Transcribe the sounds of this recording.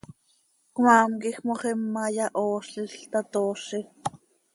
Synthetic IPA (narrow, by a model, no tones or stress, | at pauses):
kmɑːmkixmoχimːɑjɑʔoːʃiɬt̪ɑt̪oːʃi